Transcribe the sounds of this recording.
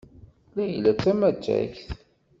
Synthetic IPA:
læjlːæt͡sːæmæd͡ʒːæ̰çθ

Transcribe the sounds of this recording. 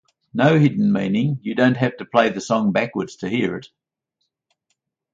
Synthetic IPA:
nəʊhɪdⁿn̩mĩnɪ̃ŋjɨdə̃ʊ̃nt̚ɦæftəpʰl̥eɪðɨsɔ̃ŋbækwə˞dz̥tʰɨhiɹɪt̚

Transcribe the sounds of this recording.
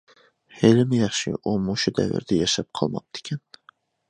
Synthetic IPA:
helɪmɪjɑχʃḭʔumuʃud̪ɛ̰vɪ̰ɾd̪ɛjɛʃɛp̚qʰɑlˠmɑ̰p̚d̪ɪ̥kʲʰɛn

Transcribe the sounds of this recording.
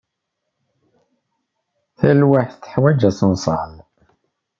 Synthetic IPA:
θælwaħθθə̥ħwæd͡ʒæsənsˤɑ̰l

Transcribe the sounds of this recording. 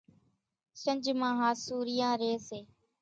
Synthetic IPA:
ʃəɲd͡ʒmãːɦãːsuːɾɪjãːɾeːseː

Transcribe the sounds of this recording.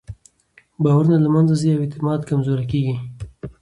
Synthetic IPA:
bɑwaɾunalamanzaziawɪt̪ɪmɑd̪kamzoɾakeɡi

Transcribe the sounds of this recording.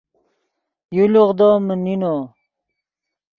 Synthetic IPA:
juluʁd̪omənino

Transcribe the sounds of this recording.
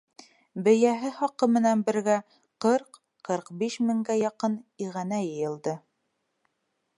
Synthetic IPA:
bɘ̆jæɦɘχɑqɤmɘ̆nænbɘ̆ɾɡæ | qɤɾq | qɤɾqbiʃmɘ̆ŋɡæjɑqɤniʁænæjɤ̆jɤ̆lˠd̪ɤ

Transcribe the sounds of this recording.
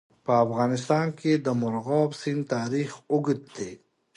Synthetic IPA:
pəːfɣɑːnɪst̪ɑːnked̪əmʊɾɣɔːbsint̪aːɾiːxʊɡət̪̚d̪e

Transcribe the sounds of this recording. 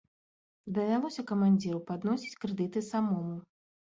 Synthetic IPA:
d̪ɐvʲalˠɔsʲɐkɐmanʲd͡zʲiɾupad̪nɔsʲi̥t͡sʲkɾɨd̪ɨt̪ɨsamɔmu

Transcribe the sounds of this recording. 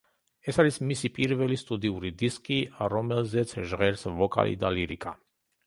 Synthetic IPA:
esaɾismisipiɾvelist̪ud̪iuɾid̪iskiaɾomɛlzɛt͡s̪ʒʁɛɾsvoka̰lʔḭd̪aliɾika̰

